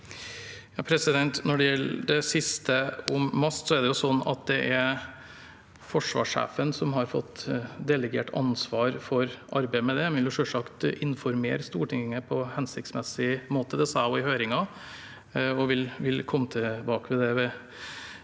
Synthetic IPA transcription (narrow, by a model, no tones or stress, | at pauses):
jɑːpʰɾɛsɪd̪ɛnt̪nɔɖɛjɛlːɖɛsɪst̪əʊmːɑst̪sɔɛɖ̪ɛjʊsɔnːɑ̰t̪̚d̪ɛʔæɾ | fɔʂʋɑ̰ːʂæ̰ːfənsɔmɦɑɾfɔ̰t̪ːd̪ɛləɡḛːʈʰɑ̰nsʋɑːɾfɔɾʔɑɾbæɪmɛd̪ɛmʋɪljʊʂœʂɑkt̪ɪnfɔɾmḛːɾəst̪uːʈɪŋŋːəpʰɔhɛnsɪkt̪smɛsɪmoːt̪ʰəd̪ɛsɑːɔɪhøːɾɪŋɑ | ɔʋɪlʋɪlkʰɔmːət̪ʰɛbɑːkəʋɛd̪ɛʋɛ